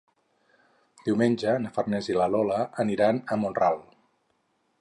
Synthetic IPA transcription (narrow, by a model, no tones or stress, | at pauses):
d̪̥iwmenʲd͡ʒənəfərnɛzilalɔləəniɾanəmonrawlˠ